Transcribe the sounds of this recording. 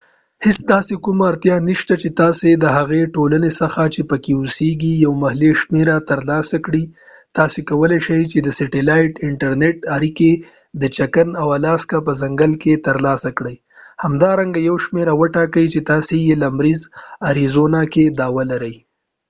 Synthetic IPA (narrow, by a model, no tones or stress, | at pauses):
hɪsd̪ɑsekumaːɾt̪jɑniʃt̪at͡ʃet̪ɑsed̪əɦaɣeʈolanesəxat͡ʃepəkeʊseɡijawmahleʃmeɾat̪əɾlɑsakɽi | t̪ɑsekawəleʃəjt͡ʃed̪əsɪʈɪlajʈɪɳʈaɾneʈaɾike | d̪ət͡ʃakənawalɑskapəzaŋɡəlket̪əɾlɑsakɽəj | hamd̪ɑɾaŋɡajawʃmeɾawəʈɑkəjt͡ʃet̪ɑsejelamɾizaɾizonaked̪ɑwalaɾəj